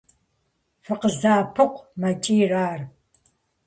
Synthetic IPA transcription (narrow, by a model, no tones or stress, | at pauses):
fɨqəzaːpʰɨqʷmɐt͡ʃʼiːraːr